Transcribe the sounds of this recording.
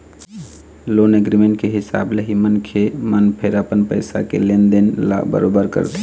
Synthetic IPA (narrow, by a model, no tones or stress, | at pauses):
loneɡɾimeɳʈ̚keɦisa̰bleɦimənkʰemənpʰeɾəpənpəɪsa̰kḛlend̪enla̰bə̰ɾobəɾkə̰ɾt̪ʰ